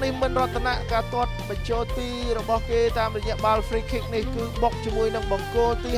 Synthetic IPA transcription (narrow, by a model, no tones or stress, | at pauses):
nihmɨnrŏətt̪ʰːanaʔkaːt̪ŏət̪̚ɓɑɲt͡ɕoːlt̪iːɾɔɓɑhkeːt̪aːmrɔjɛ̆əʔɓaːlfriːkʰiːk̚nihkɨːɓok̚t͡ɕiəmuəjnɨŋɓɑŋkoːlt̪iː